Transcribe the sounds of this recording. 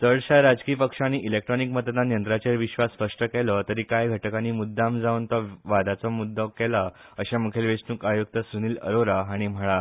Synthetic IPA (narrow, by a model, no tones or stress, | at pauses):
t̪əɭɕaɾad͡zkiːpəkʂãñiʔilek̚ʈɾɔnikmət̪əd̪ãnjənt̪ɾat͡ɕeɾʋiɕʋasfəʂʈəkɛlət̪əɾiːkajɡʱəʈəkãniːmud̪ʱːãmd͡zaunt̪ɔʋad̪at͡sɔmud̪ʱːɔkɛla | əɕamukʰelʋesnuːkajuk̚t̪əsuniːlə̰ɾoɾaaɽ̃im̤əɭa